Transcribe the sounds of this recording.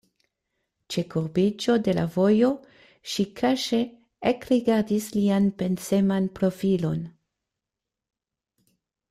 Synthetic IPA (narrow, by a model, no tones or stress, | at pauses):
t͡ʃe̞kuɾbit͡ʃo̞de̞la̰vo̞jo̞ | ʃikʰaʃe̞ | ekɾiɡaɾdislianpe̞nse̞manpɾo̞filo̞n